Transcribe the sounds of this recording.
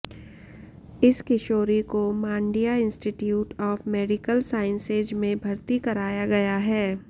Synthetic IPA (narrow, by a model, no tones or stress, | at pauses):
ɪskɪʃoːɾikomãːɳɖijaɪ̃nsʈiʈjuːʈɔːfmɛːɖɪkəlsaːɪ̃nseːd͡ʒmẽbʱɐɾt̪ikɐɾaːjaɡɐjaɦɛː